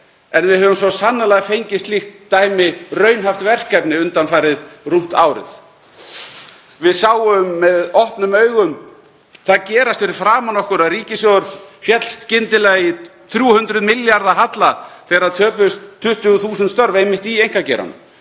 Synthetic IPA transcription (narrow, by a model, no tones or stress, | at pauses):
ɛnvɪðhœvʏmsvɔsanːalaɣafejɲcɪst̪lixt̪ːaːjmɪrœɥnɦaft̪vɛr̥kapnɪʏnt̪anfajɾɪðrum̥t̪a̰ːwɾɪ̰θ | vɪðsaːwʏmːɛðɔhpnʏmœɥɣʏm | θaðcɛːɾast̪fɪɾɪɾ̥fɾaːmanɔhkʏɾaðriːcɪsjowʏɾðfjɛt̪l̥st̪cɪnt̪ɪlajɪ | θɾjuːhʏnt̪ɾʏðmɪljaɾðaɦat̪laθɛːɾaðt̪ʰœːpʏst̪ʰːʏht̪ʏɣʏθuːsʏnt̪st̪œɾvejmɪht̪iejŋ̥kacɛ̰ɾa̰nʏ̰